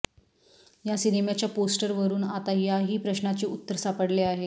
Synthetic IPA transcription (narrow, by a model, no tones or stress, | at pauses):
jasiɾimjat͡ɕjaposʈəɾʋəɾuːnat̪ajaɦiːpɾəɕnat͡ɕiːut̪ːəɾsapəɽleaɦe